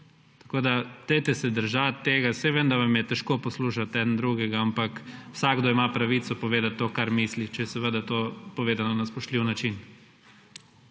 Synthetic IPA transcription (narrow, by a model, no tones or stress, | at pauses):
t̪ɐ̥koːd̪at̪əɪt̪ɛsɛd̪əɾʒat̪ːeːɡasɛʋənd̪aʋamjɛt̪ɛʃkopɔsluːʃat̪ɛːd̪nd̪ɾuɡɛɡaampakwsaɡ̚ɡd̪oimapɾaʋit̪sɔpɔʋeːd̪at̪ːoːkaɾmislit͡ʃɛjɛsɛʋəd̪at̪opɔʋeːzanɔnaspɔʃt̪liwnat͡ʃin